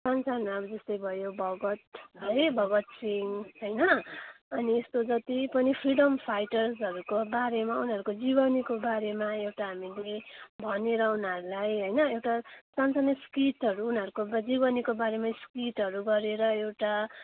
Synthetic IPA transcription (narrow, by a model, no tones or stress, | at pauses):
sʌnt͡sanmaʌbʌd͡zʌst̪ʌjbʱʌjobʱʌɡʌt̪ʌjbʱʌɡʌt̪̚siŋɦʌjnʌʌniest̪od͡zʌt̪ipʌnipʰriɽʌmpʰajʈʌrsɦʌɾukobaɾemaunɦʌɾukod͡zibʌnikobaɾemaewʈaɦamilebʱʌneɾʌunɦʌɾulajɦʌjnʌewʈasʌnt͡saniskiʈɦʌɾuːnɦʌɾukobd͡zibʌnikobaɾemaskiʈɦʌɾuɡʌɾeɾʌewʈa